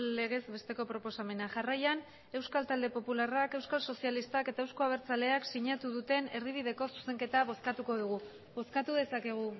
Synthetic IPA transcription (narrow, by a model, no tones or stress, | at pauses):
e̞ɣ̞e̞zbe̞st̪e̞ko̞pɾo̞po̞same̞naʝarajan | e̞wskalt̪ald̪e̞po̞pularake̞wskalso̞sialist̪ake̞t̪ae̞wsko̞aβ̞e̞ɾt͡sale̞aksiɲat̪uðut̪e̞ne̞ɾðiβiðe̞ko̞su̥se̞ŋke̞t̪aβo̞skat̪uko̞ð̞uɣ̞u | βo̞skat̪uðe̞sake̞ɣ̞u